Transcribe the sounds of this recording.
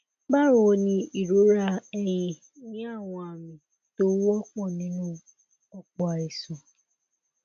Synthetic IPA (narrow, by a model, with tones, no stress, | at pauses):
ba˦ɾõ˨o˧nĩ˧i˨ɾo˨˦ɾa˦ɛ˦j̃ĩ˧ | nĩ˦a˦˨w̃ɔ̃˧a˨mĩ˨ | to˦wɔ˦k͡pɔ̃˦˨nĩ˨˦nũ˦ | ɔ˦k͡pɔ˦a˨i˨sɔ̃˨